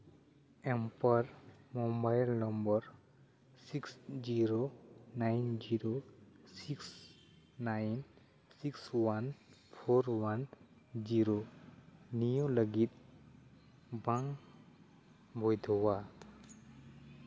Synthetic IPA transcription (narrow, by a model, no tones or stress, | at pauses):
ɛmpaɾmɔmbajlnɔmbɔɾ | siksziɾonajnd͡ʒiɾosiks | najn | sikswanpʰoɾwan | d͡ʒiɾo | nijoləɡit̪̚ | baŋ | bʱɔjd̪ʱɔwa